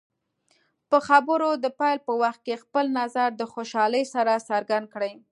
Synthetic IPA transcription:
pəxabəɾod̪əpɑjlpəwaxt̪̚kexpəlnazaɾd̪əxoʃɑləjsaɾasaɾɡand̪̚kɽəj

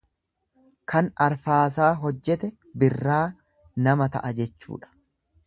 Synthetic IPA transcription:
kʰɐnɐɾfaːs̬aːɦɔd͡ʒːɛt̪ɛ | bɪrːaː | nɐmɐt̪ɐ̰ʔɐd͡ʒɛt͡ʃːṵːᶑɐ̥

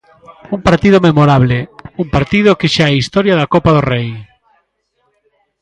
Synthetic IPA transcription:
uŋpaɾt̪ið̞omemoɾaβleumpaɾt̪ið̞okɪʃaɛist̪ɔɾjaðakopaðorej

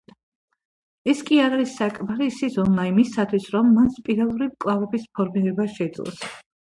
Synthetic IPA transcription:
ɛskʼiaɾaɾisːakʼmaɾiːsizɔnaimisat̪ʰwisɾɔmːanspʼiɾalˠuɾimkʼlˠavɛbispʰɔɾmiɾɛbaʃɛid̪zlˠɔ̰s

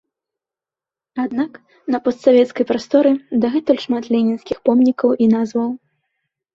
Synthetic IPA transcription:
ad̪nak | nɐpɔst̪savʲɛt̪skɐjpɾast̪ɔɾɨd̪ɐɣɛt̪ulʲʂmat̪lʲɛnʲinskʲixpɔmnʲikɐwʔinazvɐw

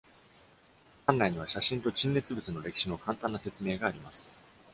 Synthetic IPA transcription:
kãnɾaiɲ̟iβ̞aɕaɕĩnt̪o̞t͡ɕĩnːe̞t͡sɨbɯ̟t͡sɨno̞ɾe̞kʲi̥ɕino̞kãnt̪ãnːase̞t͡sɨme̞ːɡaːɾʲimasɨ̥

